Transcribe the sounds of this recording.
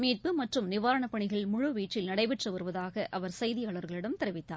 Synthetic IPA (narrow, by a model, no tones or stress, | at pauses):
miːʈ̚pɯmɐʈrɯmnɪʋaːɾɐɳɐpːɐɳɪɣɐɭmʊɻʊʋiːʈrɪlnɐɽɐɪʋɪʈrɐʋɐɾɯʋɐðaːɣɐʔɐʋɐɾsɐjðɪjaːɭɐɾɣɐɭɪɽɐmt̪ɛɾɪʋɪt̪ːa̰ːɾ